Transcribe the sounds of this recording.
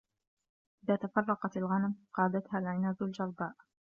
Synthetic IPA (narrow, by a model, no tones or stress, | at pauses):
ʔɪðaːt̪afɑrˤːɑqɑt̪alɣanamqɑːd̪at̪haːlʕɪnaːzald͡ʒɑɾˤbaːʔ